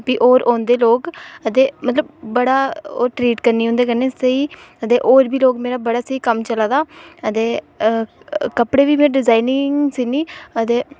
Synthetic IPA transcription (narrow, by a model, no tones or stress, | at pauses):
piːʔoːɾʔoːnd̪eːloːkət̪eːmət̪ləbːəɽaːo̰ːʈɾiːʈkəɾniːɦʊ̃nd̪eːkəɾneːsəiː | ət̪eːʔoːɾbiːloːɡmeːɾaːbəɽaːsəiːkəmt͡ʃəlaːd̪aːət̪eː | kəpɽeːʋiːmeːɾeɖɪzaːinɪŋɡsiːniːət̪eː